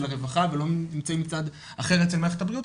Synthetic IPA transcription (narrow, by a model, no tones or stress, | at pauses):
laʁevaχavelo̞nimt͡saimit͡sad̪ | aχe̞ʁet͡selmaeχet̪abʁiut